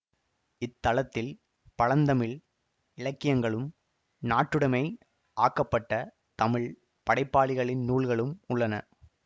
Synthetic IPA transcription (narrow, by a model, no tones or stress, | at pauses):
ɪt̪ːɐlɐt̪ːɪl | pɐɻɐnd̪ɐmɪɭ | ɪɻɐkːɪjɐŋɡɐɭɯm | naːʈːɯɽɐmɐɪ | ʔaːkːɐpːɐʈːɐ | t̪ɐmɪɭ | pɐɽɐɪpːaːɭɪɣɐɭɪnːuːɭɣɐɭɯmʊɭːɐnɐ̰